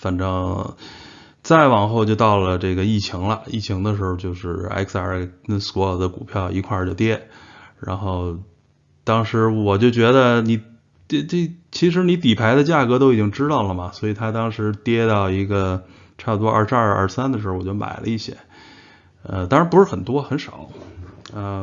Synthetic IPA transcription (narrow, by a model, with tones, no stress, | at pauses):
fə˨˩nʈ͡ʂɑ˥ŋ | t͡sa˥˩ɪwɑ˨˩ŋxo˥˧ʊt͡ɕjo˥˧ʊt̪ɑ˥˩ʊlə˩ʈ͡ʂɤ˥˩ɡə˩i˥˩t͡ɕʰi˧˥ŋlə˧i˥˩t͡ɕʰi˧˥ŋd̪ə˧ʂ̬ɻ̩˧˥o˧t͡ɕjo˥˧ʊʂɻ̩˥˩a̰˥ɪkʰsa˧˥sɔ˧˥˨d̪ə˦ku˨˩pʰjɑ˥˩ʊi˧˥kʰwa˥˧t͡ɕjo˥˧ʊt̪jɛ˥ɻa̰˧˥nxo˥˩ʊ | t̪ɑ˥ŋʂɻ̩˧˥wɔ˨˩t͡ɕjo˥˩ʊt͡ɕɥɛ˧˥d̪ə˧ni˨˩˥ | e˥˧t͡ɕʰi˧˥ʂ̬ɻ̩˧˥ni˧˥t̪i˨˩pʰa˧˥ɪd̪ə˧t͡ɕja˥˩kɤ˧˥t̪o˥ʊi˨˩t͡ɕji˥ŋʈ͡ʂɻ̩˥t̪ɑ˥˩ʊlə˩mɐ˩swɔ˧˥i˨˩t̪ʰa˥t̪ɑ˥ŋʂɻ̩˧˥t̪jɛ˥t̪ɑ˥˩ʊi˧˥ɡə˧ | ʈ͡ʂʰa˥˩bə˩t̪wɔ˥ə̰˥˧˩ʂʰa˥˧˩ə̰˥˩sa˥nd̪ə˨ʂɻwɔ˨˩t͡ɕo˥˩mʔa̰˨˩ɪlʔə̰˦i˥˩ɕjɛ̰˥ | ə˧t̪ɑ˥ŋɻa˧˥npu˧˥ʂɻ̩˥˩xə˨˩nt̪wɔ˥xə˧˥nʂɑ˨˩˦ʊ | ə˧